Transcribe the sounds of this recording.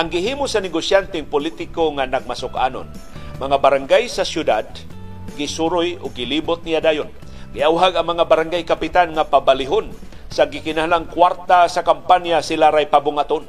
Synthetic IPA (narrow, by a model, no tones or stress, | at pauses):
ʔaŋɡɪɦiːmʊsanɛɡosjant̪ɛŋpʊlit̪ɪkoŋanaɡ̚masʊkʔa̰no̰nmaŋabaɾaŋɡajsasjʊd̪a̰d̪̚ | ɡɪsuɾʊjʊɡːɪliːbʊt̪̚nijad̪aːjon | ɡɪʔawɦaɡaŋmaŋabaɾaŋɡajkapɪt̪anŋapabalɪɦon | saɡɪkɪnahalaŋkwaɾt̪asakampanjasɪlaɾajpabʊŋat̪on